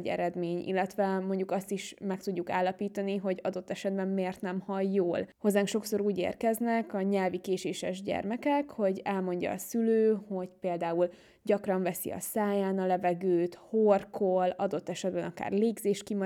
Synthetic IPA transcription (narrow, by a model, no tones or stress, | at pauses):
ɟɛ̰ɾɛd̪meːɲḭlːɛt̪ʋɛmo̞ɲɟukɒst̪iʃmɛk̚t̪uɟːukaːlːɒpiːt̪ɒniɦo̞ɟɒd̪o̞t̪ːɛʃɛd̪̚bɛmmeːrt̪nɛmhɒjːoːlho̞zːaːŋkʃo̞kso̞ɾuːɟḛːrkɛznɛkɒɲɛlvikeːʃeːʃɛʒɟɛ̰rmɛkɛkho̞ɟɛlmo̞ɲɟɒ̰ːsyløːho̞ɟpeːld̪aːul | ɟɒkrɒɱvɛsḭɒ̰saːjaːnɒlɛvɛɡøːt̪horkʰolɒd̪o̞t̪ːɛʃɛd̪̚bɛnɒka̰ːrleːɡzeːʃt̪̚kim